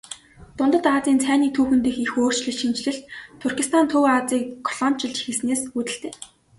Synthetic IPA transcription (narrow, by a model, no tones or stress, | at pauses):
t̪ʊnt̪ə̆t̪aːt͡siːnt͡sʰæːniːt̪ʰuːxɘ̆nt̪ĕːxixoːr̥t͡ɕɮɵ̆ɮʃint͡ɕɮɘ̆ɬt̪ʰːʊrxʲist̪ʰant̪ʰɵwat͡siːkːʰɔɮɔnt͡ɕɪ̆ɮt͡ɕixɘ̆sneːsut̪ɘ̆ɬt̪ʰeː